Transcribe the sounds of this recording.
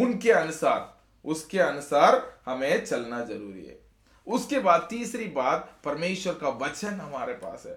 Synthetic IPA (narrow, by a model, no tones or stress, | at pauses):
ʊnkeɐnʊsaːɾ | ʊskeɐnʊsaːɾhɐmẽt͡ʃɐlnazɐɾuːɾḭɦɛ̰ː | ʊskebaːd̪̚t̪iːsɾibaːd̪̚pɐɾmeːʃwəɾkaʋɐt͡ʃənɦɐmaːɾepa̰ːsɦɛː